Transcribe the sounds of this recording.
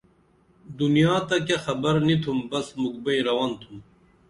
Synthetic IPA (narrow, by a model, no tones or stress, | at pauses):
d̪unjaːt̪ɐkaxɐbɐɾnit̪ʰumbɐsmuɡ̚bɐjɾɐwant̪ʰum